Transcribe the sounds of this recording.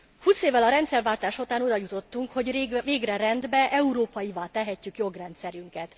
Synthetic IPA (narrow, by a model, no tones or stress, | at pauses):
huːseːvːɛlɒɾɛnt̪sɛrvaːlt̪aːʃot̪aːnud̪ɒjut̪o̞t̪ːuŋkho̞ɟveːɡrɛɾɛnd̪bɛʔɛuɾoːpɒjivaːt̪ɛɦɛcːykjo̞ɡrɛnt̪sɛɾyŋkɛt̪